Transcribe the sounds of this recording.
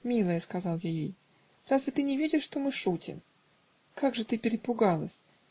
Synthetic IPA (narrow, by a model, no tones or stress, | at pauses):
mʲilˠəjəskɐzɑlˠjajej | razvʲɪt̪ɨnʲɪvʲedʲɪʂʂt̪omɨʂutʲɪ̰m | kaɡʐɨt̪ɨpʲɪɾʲɪpʊɡalˠəsʲ